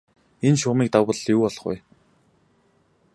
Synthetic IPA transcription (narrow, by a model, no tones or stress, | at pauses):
enʃʊːmiːk̚t̪awpə̆ɮjuːpɔɮɞ̆χʊ̰j